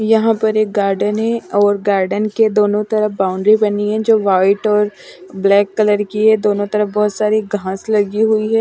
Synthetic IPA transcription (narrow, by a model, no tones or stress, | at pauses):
jɐɦãpɐɾeːk̚ɡaːɾɖənɦɛ̃ɔːɾɡaːɾɖənked̪oːnõt̪ɐɾəfbaːʊ̃ɳɖɾibɐniɦɛ̃d͡ʒoːʋaːɪʈɔːɾblɛːkːɐləɾkiɦɛd̪oːnõt̪ɐɾəfbɔːʊt̪saːɾiɡʱãːslɐɡiɦʊiɦɛː